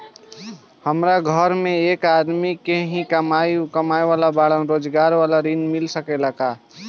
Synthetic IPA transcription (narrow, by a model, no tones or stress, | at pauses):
həmɾaɡʱəɾmẽeːkad̪mikeɦĩkəmakəmaeʋalabaɽəɾoːd͡ʒɡaɾʋalaɾinmilsəkelaka